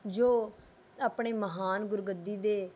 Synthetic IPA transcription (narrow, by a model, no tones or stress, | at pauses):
d͡ʒoː | aːpɳeːməɦaːnɡʊɾɡəd̪iːd̪eː